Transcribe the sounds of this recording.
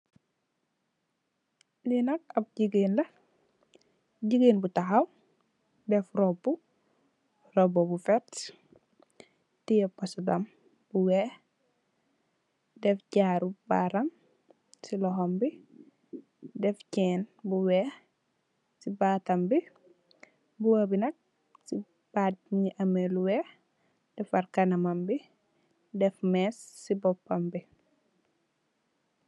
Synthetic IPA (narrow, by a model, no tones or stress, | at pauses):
ninɐk̚ɐp̚ɟiɡiːnlɐ | ɟiɡiːnbutaxaw | dɛfɾɔbːu | rɔbobufɛt | tijɛpasdam | buwɛ | dɛfɟaːɾuba̰ɾɐm | silɔɦombi | dɛfcɛnbuwɛ | sibaːtɐmbi | buwɐbinɐk̚ | si | b̥ad̚ɲiʔɐmeluwɛː | d̥ɛfaɾkɐnɐmambi | dɛfmɛsːibɔpːɐmbi